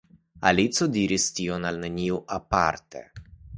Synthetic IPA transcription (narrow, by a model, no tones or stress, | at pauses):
a̰lit̪sod̪iɾist̪ionalnənʲiwapa̰rt̪ḛ